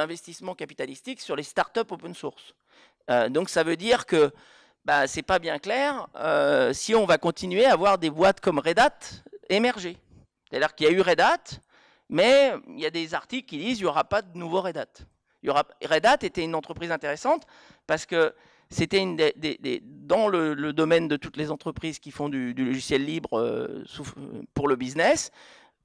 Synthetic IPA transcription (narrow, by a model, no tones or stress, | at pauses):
ɛ̃vɛst̪ismɑ̃kapi̥t̪alist̪iksyʁlest̪aʁt̪œpopənsuʁs | ød̪ɔ̃ksavød̪iʁkə | basɛpabjɛ̃klɛʁøsiɔ̃vakɔ̃t̪inɥeaːvwaʁd̪ebwat̪kɔmʁed̪at̪emɛʁʒe | se̥t̪ad̪iʁkiljayʁed̪at̪ | mɛḭljad̪ezaʁt̪iklkʲid̪iziljɔʁapad̪ənuvoʁed̪at̪ | iljɔʁaʁed̪at̪et̪ɛynɑ̃t̪χəpχizɛ̃t̪eʁesɑ̃t̪ | paʁsə̥kə | set̪ɛynd̪ed̪ed̪ḛd̪ɑ̃lələd̪ɔmɛnd̪ət̪ut̪lezɑ̃t̪χəpχiz̥kʲifɔ̃d̪yd̪ylɔʒisjɛlːibʁø̰sufpuʁləbiznɛs